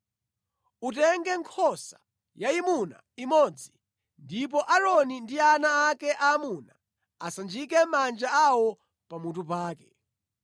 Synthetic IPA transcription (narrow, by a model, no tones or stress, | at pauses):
utɛŋɡɛŋkʰɔsa | jaimuna̰ | imɔd͡zi | ndip̬ɔʔaɾɔnindianaːkɛʔaːmuna | asand͡ʒik̬ɛmand͡ʒaawɔ | pamutupaːkɛ